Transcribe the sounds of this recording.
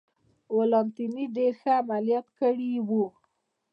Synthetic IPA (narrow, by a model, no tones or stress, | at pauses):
olɑnt̪iniɖeɾxəamalijɑt̪kəɽiwu